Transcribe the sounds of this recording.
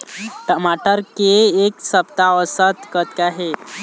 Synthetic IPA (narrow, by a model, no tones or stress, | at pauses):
ʈəmaʈəɾkeːksəpt̪aəsət̪kət̪kaɦe